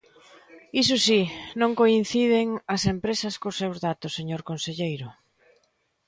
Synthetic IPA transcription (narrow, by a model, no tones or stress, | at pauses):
is̬ʊsinõŋkoin̟θið̞ɪŋɐsempɾesɐskosewzðat̪ʊsːeɲoɾkonseʎejɾʊ